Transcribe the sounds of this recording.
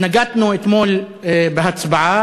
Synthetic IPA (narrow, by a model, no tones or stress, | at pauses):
naɡat̪nuʔɪt̪moːl | bɪɦat̪sbʕa